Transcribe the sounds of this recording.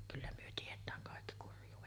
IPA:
kylːæ myø tietˑæːŋ kɑˑekːi kurjˑuːʋet

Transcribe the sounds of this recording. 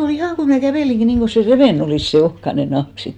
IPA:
ol ihɑˑŋ kæʋeˑliŋki niːŋko se reʋeˑn oliˑs se ohkɑne nɑhk sit

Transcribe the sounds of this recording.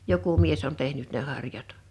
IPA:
joku mies on tehnyt ne hɑrjɑt

